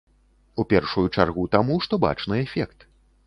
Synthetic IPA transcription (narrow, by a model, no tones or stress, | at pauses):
upʲɛrʂujut͡ʂarɣut̪amuʂt̪ɔba̰t͡ʂnɨɛfʲɛkt̪